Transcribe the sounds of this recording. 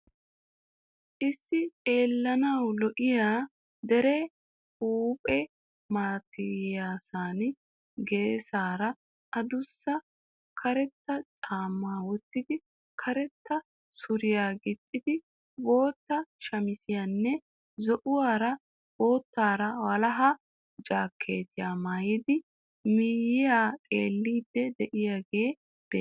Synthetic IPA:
ʔɪsːɪe̞ːlːɐnɐwlɔʔɪjaː | d̪ɛɾɛ | uːpʼɛ | maːt̪ɪjaːsaːn | ɡe̞ːsaːɾɐ | ʔɐd̪ʊsːɐ | kʰɐɾɛt̪ːɐt͡sʼaːmːaːwɔt̪ːɪd̪ɪ | kʰɐɾɛt̪ːɐ | sʊɾɪjaːɡɪt̪ʼːɪd̪ɪ | bo̞ːt̪ːɐʃɐmɪsɪjanːɛ | zɔʔʊwaːɾɐ | b̥o̞ːt̪ːaːɾɐwɐlɐɦɐ | d͡ʒaːkʰːe̞ːt̪ɪjaːmaːjɪd̪ɪ | mɪjɪjaːtʼeːlːiːd̪ːɛd̪ɛʔɪjaɡe̞ː | b̥ḛː

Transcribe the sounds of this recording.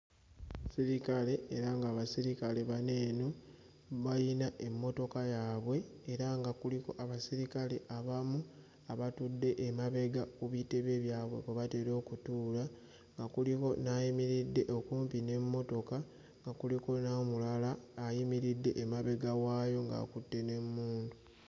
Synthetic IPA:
siɾikale̞ːɾaŋɡaːβasiɾikale̞βane̞ːno | βajinaʔe̞mːo̞to̞kajaːβwe̞ːɾaŋɡakuliko̞ʔaβasiɾikale̞ʔaβamu | aβatudːe̞ʔːmaβe̞ɡakuβite̞βe̞βjaːβwe̞kweβate̞ɾo̞ːkutuːla | ŋɡakuliko̞najimiɾidːe̞ʔokuːmpine̞mːo̞to̞ka | ŋɡakuliko̞namulalaːjimiɾidːe̞̰ʔːmaβe̞ɡawaːjo̞ŋɡa̰ːkutːe̞ne̞mːuːndu

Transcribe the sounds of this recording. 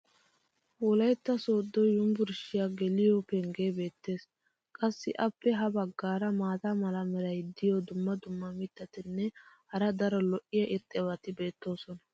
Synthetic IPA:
wɔlɐjt̪ːɐsoːd̪ːɔjʊmbʊɾʃɪjaɡɛlɪjɔpɛŋɡe̞ːbe̞ːt̪ːe̞ːs | kʼɐsːɪʔɐpːɛɦɐbɐɡːaːɾɐmaːt̪ɐmɐlɐmɛɾɐjd̪ɪjɔd̪ʊmːɐd̪ʊmːɐmɪt̪ːɐt̪ɪnːɛhɐɾɐd̪ɐɾɔlɔʔɪjɐʔɪɾt̪ʼːɛβɐt̪ɪbe̞ːt̪ːo̞ːsɔnɐ

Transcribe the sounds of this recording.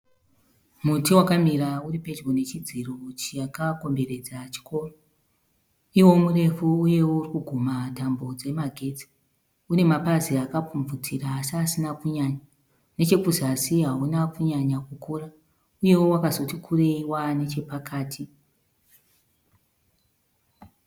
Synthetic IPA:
mutiwakamirauripe̞d͡ʒɡone̞t͡ʃid͡zirot͡ʃijakako̞mbe̞re̞d͡zat͡ʃi̥kʰo̞ːro̞ | iwo̞mure̞fuuje̞wourikuɡʱumatambo̞d͡ze̞maɡʱe̞ːd͡zi̥ | une̞mapaziakapp͡fuɱvut͡siraːsiasinakuɲaɲa | ne̞t͡ʃe̞kuzasiɦaunakuɲaɲakukuːra | uje̞wo̞wakazo̞tikʰure̞iwane̞t͡ʃe̞pakaːtʰi

